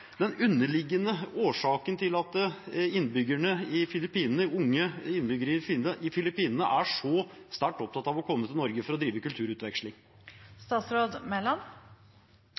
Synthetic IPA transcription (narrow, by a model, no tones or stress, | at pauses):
d̪ɛnʉnːəɭɪɡːənəoːʂɑːkənt̪ʰɪlɑt̪ɪnːbʏɡəɳəɪfɪlɪpiːnnəʊŋːəɪnbʏɡəɾəɪfiːnəʔɪfɪlɪpiːnənə̰ʔæʂɔst̪æʈːɔp̚t̪ʰɑt̪ːɑʋɔkʰɔmːət̪ʰɪlnɔɾɡəfɔɾɔd̪ɾiːʋəkʉlt̪ʰʉːɾʉːt̪ʋɛkʂlɪŋ | st̪ɑːt̪sɾoːd̪mɛlɑn